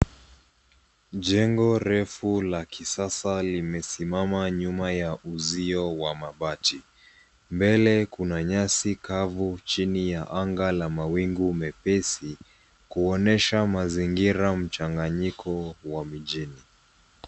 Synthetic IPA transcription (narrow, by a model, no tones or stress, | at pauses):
ʄɛŋɡɔɾɛfulakisasalimɛsimamaɲumajaʔuziɔwamaɓati | mbɛlɛkunaɲasikavut͡ʃinijaʔaŋɡalamawiŋɡumɛpɛsi | kuɔnɛʃamaziŋɡiɾam̩t͡ʃaŋɡaɲikʰɔwamiʄini